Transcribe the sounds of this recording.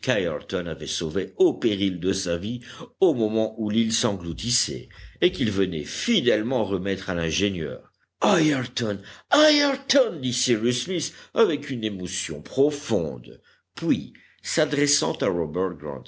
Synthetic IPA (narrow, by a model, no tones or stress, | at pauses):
kajɛʁt̪ɔnavɛsoveopeʁild̪əsaviomɔmɑ̃ʔulilsɑ̃ɡlut̪isɛ̰ekilvənɛ̰fid̪ɛlmɑ̃ʁəmɛt̪χalɛ̃ʒenjœ̰ːʁ | ajɛʁt̪ɔnajɛʁt̪ɔnd̪isiʁysmisavɛkynemɔsjɔ̰̃pχɔfɔ̰̃d̪ | pɥi | sad̪ʁɛsɑ̰̃t̪aʁɔbɛʁt̪̚ɡʁɑ̰̃t̪